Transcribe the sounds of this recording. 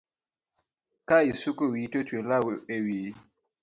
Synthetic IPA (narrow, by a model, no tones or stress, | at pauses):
kaisukowitotwelawɓewi